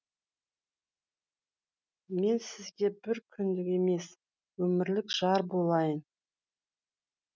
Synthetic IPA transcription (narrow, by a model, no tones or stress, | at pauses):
me̞nsɪzɡʲe̞bɪɾkʲʰʏnd̪ɪkʲe̞me̞s | wɵmɪɾlɪkʒ̥ɑɾbo̞lˠɑjən